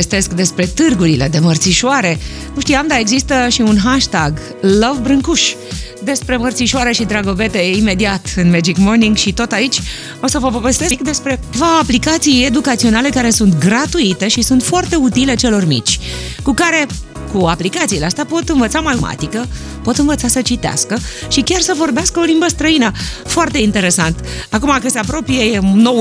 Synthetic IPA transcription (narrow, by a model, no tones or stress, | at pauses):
est̪e̞skd̪e̞spɾe̞t̪ɨrɡuɾile̞d̪e̞mərt̪siʃuaɾe̞ | nuʃt̪iamd̪ae̞ɡzist̪əʃiunɦaʃt̪aɡ | ləvbɾɨŋkuʃ | d̪e̞spɾe̞mərt̪siʃoaɾeʃid̪ɾaɡo̞ve̞t̪e̞ime̞d̪iat̪ɨnmed͡ʒikmo̞rniŋɡʃit̪o̞t̪ait͡ʃʲ | o̞səvəvove̞st̪e̞sk̚d̪e̞spɾe̞vaoaplikat̪sije̞d̪ukat̪sio̞nale̞kaɾe̞sunt̪ɡɾat̪uit̪e̞ʃisunt̪foart̪e̞ut̪ile̞t͡ʃe̞lo̞rmḭt͡ʃʲkukaɾe̞ | kuaplikat̪sileast̪apo̞t̪ɨnvət̪samajuma̰t̪ikə | po̞t̪ɨnvət̪sasət͡ʃit̪ea̰skəʃikʲarsəvo̞rbeaskəo̞limbəst̪ɾəinəfoart̪e̞int̪e̞ɾe̞sant̪ | akumakɨse̞apɾo̞pijeno̞w